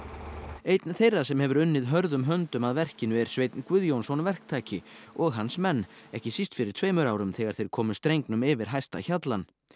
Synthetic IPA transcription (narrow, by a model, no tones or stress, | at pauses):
eːjt̪nθejrːasɛmhɛvʏɾʏnːɪðɦœɾðʏmɦœnt̪ʏmaðvɛr̥cɪnʏɛɾ̥svejt̪nkvʏðjownsɔnvɛr̥k̚t̪ʰaːcɪɔɣɦansmɛnː | ɛhcɪsist̪fɪɾɪɾ̥t̪ʰveːjmʏɾaːwɾʏmθɛɣaɾ̥θejɾ̥kʰɔːmʏst̪ɾejŋknʏmɪvɪɾ̥ɦajst̪a̰çat̪lan